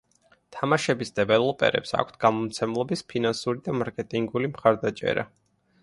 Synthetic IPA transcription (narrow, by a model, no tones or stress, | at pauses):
t̪ʰamaʃɛbisd̪ɛvɛlˠɔpʼɛ̰ɾɛ̰psa̰kʷʰt̪ʰɡ̥amɔmt̪sʰɛmlˠɔbispʰinansuɾid̪amaɾkʼɛt̪ʼiŋɡulimχaɾd̪at͡ʃʼɛ̰ɾa̰